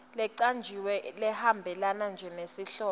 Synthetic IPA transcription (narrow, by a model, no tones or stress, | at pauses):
lɛǀand͡ʒʱiwɛlɛhambʱɛlanand͡ʒʱɛnesiɬɔː